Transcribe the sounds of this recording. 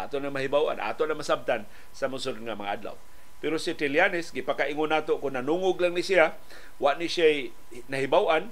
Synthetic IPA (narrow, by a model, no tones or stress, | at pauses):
ʔa̰t̪oʔnaŋmaɦibawʔa̰nʔa̰t̪oʔnamasab̚t̪an | samʊs̬ord̪ŋamɐŋa̰ʔa̰d̪la̰w | pɛɾosit̪ɪljanɪsɡipakaʔiŋʊnːaːt̪oʔkʊnːanuŋʊɡlaŋnisia | waʔnisjaj | naɦɪbawʔan